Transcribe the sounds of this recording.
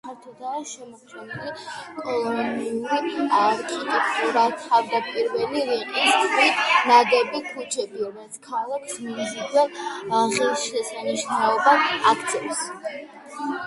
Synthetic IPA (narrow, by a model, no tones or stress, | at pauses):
kʰaɾt̪ʰɔd̪aːʃɛmɔt̪sʼɛnilikʼɔlˠɔniuɾiaɾkʼit̪ʼɛkʼt̪ʼuɾat̪ʰavd̪apʼiɾvɛliɾiqʼist̪inad̪ɛbikʰut͡ʃʰɛbiɾɔmɛlit̪sʰkʰalˠakʰsmimzivɛlʁɛlˠʃɛsaniʃnaɔbaakʰt̪sʰɛvs